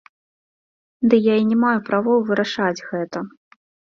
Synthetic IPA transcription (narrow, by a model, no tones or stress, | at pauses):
d̪ɨjainʲɛmajupɾavɔwvɨɾaʂad͡zʲɣɛt̪ɐ